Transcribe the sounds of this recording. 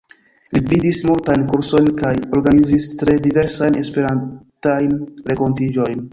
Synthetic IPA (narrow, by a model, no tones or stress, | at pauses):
lividismultajnkuɾso̞jnkajo̞ɾɡanizistɾe̞dive̞ɾsajne̞spe̞ɾantajnɾe̞ko̞ntid͡ʒo̞jn